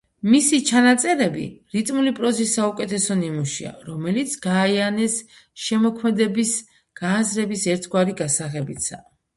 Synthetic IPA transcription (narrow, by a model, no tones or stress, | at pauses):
misit͡ʃʰanat̪sʼɛɾɛbḭɾit̪ʼmulipʼɾɔzisːaukʼɛt̪ʰɛsɔnimuʃḭa̰ɾɔmɛlit̪sʰɡaːianɛs | ʃɛmɔkʰmɛd̪ɛbis | ɡ̥aːzɾɛbisɛɾt̪ʰɡwaɾiɡasaʁɛbit̪sʰa